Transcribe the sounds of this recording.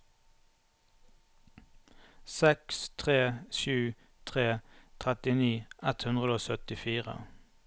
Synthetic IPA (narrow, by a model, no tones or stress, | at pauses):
sɛkst̪ʰʁeːʃʉː | t̪ʰʁeːt̪ʰʁɛt̪ɪniːʔɛt̪hʉnʁəd̪oːsœt̪ɪfiːʁə̰